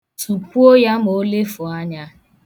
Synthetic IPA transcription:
tu˨ku˦o˦ja˦m˨o˦le˦fʊ˨a˦ɲa˦

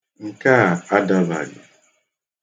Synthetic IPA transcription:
ŋ̩˨ka˦˨a˦da˦ba̰˨ɲɪ̰˨

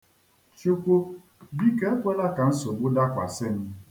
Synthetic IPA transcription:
t͡ʃu˦kʷo˦ | bi˦ke˦e˦kʷe˦la˦ka˨n̩˦so˨ɡ͡bʊ˦da˦kʷa̰˨sɪ˦m̩˦

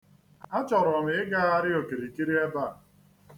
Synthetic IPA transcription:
a˦t͡ʃɔ˨ɾʊ˨ɔ˨m˨˦ɪ˦ɡa˦a˦ɾɪ˦o˨ke˨ɾi˨ki˦ɾi˦e˦ba˦˨

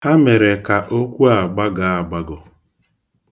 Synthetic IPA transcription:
ha˦me˨ɾe˨ka˨ʔo˦kʷu˦a˨ɡ͡ba˦ɡa˨a˨ɡ͡ba˦ɡʊ˨

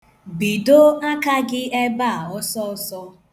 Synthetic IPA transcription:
bi˨do˦a˦ka˦ɡɪ˦ɛ˦ba˦a˨ɔ˦sɔ˦sɔ˦

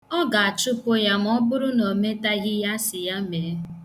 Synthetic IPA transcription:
ɔ˦ɡa˨a˨t͡ʃʊ˦po˦ja˦m˦ɔ˦bʊ˦ɾʊ˦no˨me˦ta˦ɣɪ˦ja˦sɪ˨ja˦me˨˦

